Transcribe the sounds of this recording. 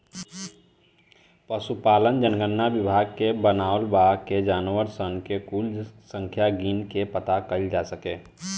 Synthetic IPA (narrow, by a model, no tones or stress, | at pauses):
pəsupaːlənd͡ʒənɡənːabɪbʱaːɡkebənaːʊlbaːked͡ʒaːnwəɾsənkekuːlsə̃ŋkʰjaɡiːnkepət̪akəld͡ʒasəkeː